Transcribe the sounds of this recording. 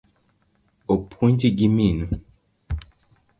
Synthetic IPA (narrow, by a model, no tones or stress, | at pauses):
opʰuɲd͡ʒiɡiminu